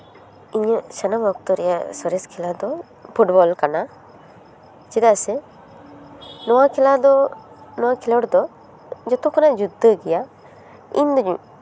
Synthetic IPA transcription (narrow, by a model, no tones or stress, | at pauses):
iɲsanabʱɔk̚t̪ɔɾɛja̰sɔɾɛskʰilad̪ɔ | pʰuʈbɔlkana | t͡ʃid̪asɛ | nɔwakʰilad̪ɔ | nɔwakʰilɔɽd̪ɔ | d͡ʒɔt̪ɔkʰɔnad͡ʒud̪ʱːəɡɛja | ḭɲd̪ɔɲṵ̃